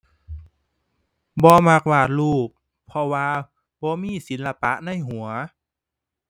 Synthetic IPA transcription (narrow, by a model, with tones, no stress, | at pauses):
bɔː˧˦ma˧˩k̚waː˧˩t̪̚luː˧˥˩p̚ʰː | ɔ˧waː˧ | bɔː˧˦miː˧˥˨si˨˦nla˧pa˧˦ʔna˥˨jɦu˨˩˦ɐ